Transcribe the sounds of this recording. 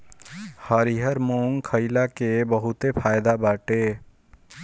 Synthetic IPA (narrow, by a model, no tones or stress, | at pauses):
həɾiɦəɾmoːŋkʰəɪlakebəɦʊt̪epʰaːjd̪abaːʈeː